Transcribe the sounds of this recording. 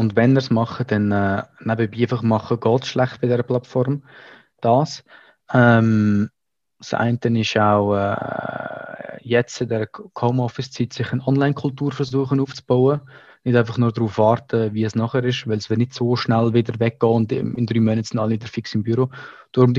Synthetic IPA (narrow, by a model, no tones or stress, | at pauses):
ʊndvɛnəɾsmɑχəd̥ɛnɛːnabəbiːfəχmɑχəɡɔːtsʃlæχtb̥ɪdɛɾəplɑtfɔɾm | d̥ɑːs | ɛm | sa̰ɪntənɪʃaʊɛ̰ː | jɛt͡sɪdɛɾəkʰoʊmɔfɪst͡sitsɪχənɔnlaɪnkʰʊltuːɾfəɾzuəχənuːft͡sb̥aʊə | nɪdaɪnfɑχnʊrdɾuːfvɑːɾtəviəsnɔχəɾɪʃvɪlsv̥ɪtnɪdsoːʃnælvɪdəɾvɛk̚ɡ̥ɔːʊndɪ̰ɪndɾyːmœnətsɪndɑliʋɪdəɾfɪksɪmbyɾod̥ʊɾmd